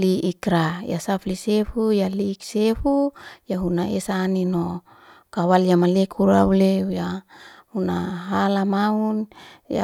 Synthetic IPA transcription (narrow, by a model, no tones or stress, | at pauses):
liikɾaja̰saflisefujaliksefujaɦunaesanino | kawalijamalekuɾa̰uleujahunaɦalamaunja̰